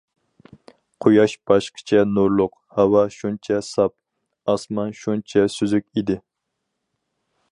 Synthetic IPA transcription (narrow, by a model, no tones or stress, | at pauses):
qʰojɑʃb̥ɑʃqʰə̥t͡ʃʰɛnuɾlˠʊq | hɑwɑʃunt͡ʃʰɛsɑp̚ | ɑsmɑnʃunt͡ʃʰɛsyzykʲid̪ɪ